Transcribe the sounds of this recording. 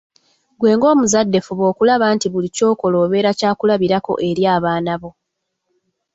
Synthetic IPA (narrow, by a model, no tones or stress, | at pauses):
ɡwe̞ːŋɡo̞ːmuzadːe̞fuβo̞ːkulaβaːntiβulico̞ːko̞lo̞ːβe̞ːɾacaːkulaβiɾako̞̰ʔe̞ɾjaːβaːnaβo̞